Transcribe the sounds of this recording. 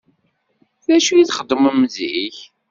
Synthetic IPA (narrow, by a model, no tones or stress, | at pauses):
θæʃujiθχəd̪ːəməmːziç